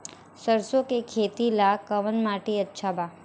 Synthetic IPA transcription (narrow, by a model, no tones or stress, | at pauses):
səɾsokekʰet̪ilakəʋənmaʈiətːʃʰaba